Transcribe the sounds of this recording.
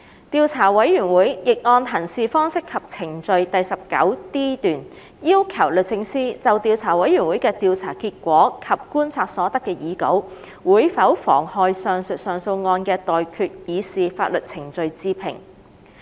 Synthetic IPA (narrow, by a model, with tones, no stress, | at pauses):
t̪iː˧wt͡sʰaː˨˩wɐ˨˥jːyː˨˩nwuː˨˥jjɪ˨k̚ŋɔː˧nt̪ʰɐ˨˩nsiː˨˧fɔː˥ŋsɪ˥kʰːɐ˨p̚t͡sʰɪ˨˩ŋt͡sɵ˧ɥt̪ɐ˨jsɐ˨p̚kɐ̰˨˥wt̪iː˥t̪yː˨n | jiː˥wkʰɐ˨˩wlɵ˨t̚t͡sɪ˧ŋsiː˥t͡sɐ˨wt̪iː˧wt͡sʰaː˨˩wɐ˨˥jyː˨˩nwu˨˥jkɛː˧t̪iː˨˧wt͡sʰaː˨˩kiː˧t̚kʷɔː˨˥kʰɐ˨p̚kuː˥nt͡sʰaː˧k̚sɔː˨˥t̪ɐ˥kːɛː˧jiː˨˥ko̰˨˥w | wuː˨˧˥jfɐ˨˥wfɔ̰ː˨˩ŋhɔː˨˧jsœː˨˩ŋsɵ˨tsœː˨ŋso˧wŋɔː˧nkɛː˧t̪ɔː˨jkʰyː˧t̚jiː˨˧siː˨faː˧t̚lɵ˨t̚t͡sʰɪ˨˩ŋt͡sɵ˧ɥt͡siː˧pʰɪ̰˨˩ŋ